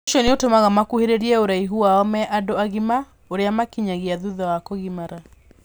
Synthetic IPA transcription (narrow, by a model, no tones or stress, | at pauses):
ʃɔneotomaɣamakuheɾeɾiɛoɾaiɦuaɔmɛʔadoaɣima | oɾeamakiɲaɣeaðuðawakoɣimaɾa